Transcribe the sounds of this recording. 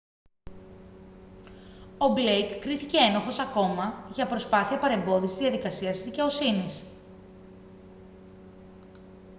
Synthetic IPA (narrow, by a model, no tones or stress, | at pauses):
o̞blejkːɾiθice̞enoxo̞sɐko̞mɐʝɐpɾo̞spɐθiɐpɐɾe̞mbo̞ðiszðiɐðikɐsiɐst̪izðice̞o̞sinis